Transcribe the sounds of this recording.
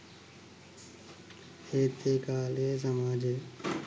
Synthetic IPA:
eːt̪ʰekaːleːs̬əmaːd͡ʒe

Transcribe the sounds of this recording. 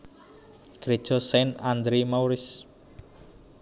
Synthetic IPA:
ɡ̥ɾed̥ʒ̥ɔ̤sɛnand̪ɾemawɾɪs

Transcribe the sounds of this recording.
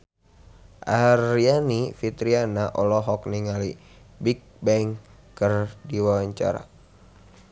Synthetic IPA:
ʔarianifit̪ɾianaʔɔlɔɦɔk̚niŋali | bik̚bɛŋkərdiwawaɲt͡ʃa̰ɾa̰

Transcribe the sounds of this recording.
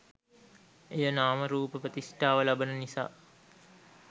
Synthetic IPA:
ejənaːməɾuːpəpət̪isʈaːʋəlabənənisa̰ː

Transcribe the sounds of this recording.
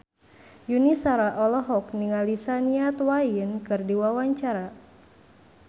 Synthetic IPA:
junisaɾaʔɔlɔɦɔkniŋalisaniat̪wainkɨrdiwawaɲt͡ʃaɾa

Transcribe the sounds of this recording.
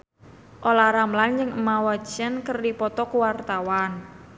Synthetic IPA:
ʔolaɾamland͡ʒɨŋəmawḁt͡ʃənkərdipɔt̪ɔkuwart̪awan

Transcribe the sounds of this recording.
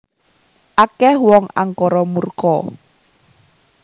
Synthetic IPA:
ʔakɛhwɔŋa̰ŋkɔɾɔmurkɔ

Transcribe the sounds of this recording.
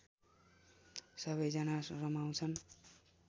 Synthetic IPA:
sʌβʌjd͡zʌnarʌmaw̃t͡sʰʌn

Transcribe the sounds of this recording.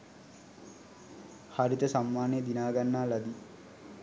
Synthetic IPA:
haɾit̪əsamːaːnejəd̪inaːɡanːaːlɐd̪i

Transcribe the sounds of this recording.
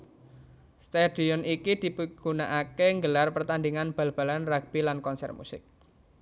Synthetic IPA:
st̪ad̥iɔnikid̪̥i̤pəɡ̥unaʔakeŋɡəlarpərt̪and̪iŋanb̥ä̤lb̥a̤lanraɡ̚b̥ilankɔnsɛ̰rt̪mṵsɪ̰k̚

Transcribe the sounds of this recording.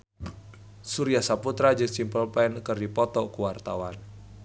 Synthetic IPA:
suɾijahsaput̪ɾad͡ʒɨŋsimpəlpɛnkərdipɔt̪ɔkuwart̪awan

